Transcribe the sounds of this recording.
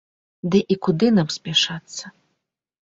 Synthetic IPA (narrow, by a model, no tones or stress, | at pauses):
d̪ɨʔikud̪ɨnamsʲpʲɛʂat̪sːɐ